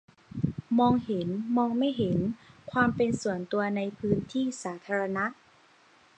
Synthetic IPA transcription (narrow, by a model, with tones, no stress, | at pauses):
mɔː˧ŋhe˩˦nmɔː˧ŋma˥˩jɦe˩˦nkʰwaː˧mpe˧nsu˨˩˦ənt̪u˧ɐna˧jpʰɯː˦˥nt̪ʰiː˥˩saː˩˦t̪ʰaː˧ɾa˧na˦˥ʔ